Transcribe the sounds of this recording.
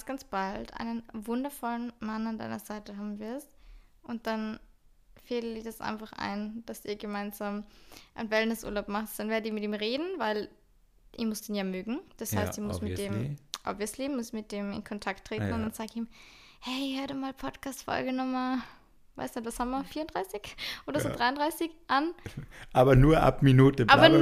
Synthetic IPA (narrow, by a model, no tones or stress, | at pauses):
sɡ̥ant͡sb̥altʔa̰ɪnənvʊndɐfɔlənmananda̰ɪnɐzaɪtəɦaːbm̩vɪɐstʔʊnt̚d̥an | feːləd̥iːɐdasʔa̰ɪnfaχʔa̰ɪnd̥asiːɐɡəmaɪnzaːmʔaɪnvɛləndəsʔṵɐlaʊpmaχtd̥anvɛːɐdətiːmɪtiːmʁeːdn̩vaɪl | ʔɪmʊsd̥eːnjaːmøːɡŋ̩d̥ashhaɪstɪmʊsmɪd̥eːmʔa̰viɐsleːbm̩mʊsmɪt̚d̥eːmɪ̰nkʰɔntʰaktːʁ̥eːtnn̩ʊntd̥anz̥aːɡɪçiːm | hɛɪhaɐdumaːlpʰɔtkʰaːstfɔ̰lɡənɔχmaɐ | va̰ɪstɛtvashaːmɐɐfiːɐʊnd̥ʁaɪsɪçʔoːdɐzoːdʁaɪʊndʁaɪsɪçʔanʔaːbɐnuːɐʔa̰pminuːtəʔaːɐ